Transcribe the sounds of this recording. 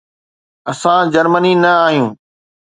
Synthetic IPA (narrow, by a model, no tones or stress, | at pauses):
ɐsãd͡ʑɐɾməninɐaːɦijũː